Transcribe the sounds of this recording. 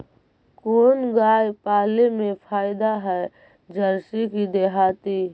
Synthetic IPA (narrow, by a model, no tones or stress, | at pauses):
koːnɡaːjpaːlemẽpʰaːɪd̪aɦɛ | d͡ʒəɾsikid̪eːɦaːt̪i